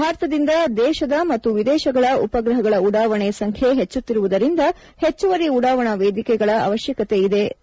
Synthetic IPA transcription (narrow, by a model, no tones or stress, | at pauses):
bʱaːɾɐt̪ɐd̪ind̪ɐd̪ɛːʃɐd̪ɐmɐt̪ːuʋid̪ɛːʃɐɡɐɭɐupɐɡɾɐɦɐɡɐɭɐuɽaːʋɐɳɛɐsɐŋkʰjeɦet͡ʃːut̪ːiɾuʋud̪ɐɾind̪ɐ | het͡ʃːuʋɐɾiuɽaːʋɐɳɐʋeːd̪ikɛɡɐɭɐɐ̰ʋɐʃjɐkɐt̪e̞id̪e̞